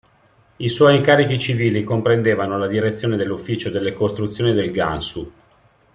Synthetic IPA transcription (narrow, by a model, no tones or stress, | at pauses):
iswɔjiŋkaːɾik̟it͡ʃiviːlikompɾend̪eːvanolad̪iɾet̪sːjoːned̪elːufːiːt͡ʃod̪elːekost̪ɾut̪sːjoːnid̪elɡa̰nsu